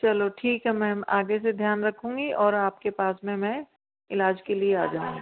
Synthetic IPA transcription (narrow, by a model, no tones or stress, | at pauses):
t͡ʃɐloʈʰiːkɦɛmɛ̃ːa̰ːɡesed̪ʱjaːnɾɐkʰũːŋɡiʔɔːɾaːp̚kepaːsmẽmɛ̃ | ɪlaːd͡ʒkeliea̰ːd͡ʒaːṵ̃ŋɡi